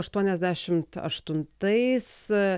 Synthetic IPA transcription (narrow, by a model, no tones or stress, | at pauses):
ɐʃt̪uɔnʲɛzʲd̪ʲæːʃʲɪmt̪ɐ̰ʃt̪ʊnt̪ɐɪs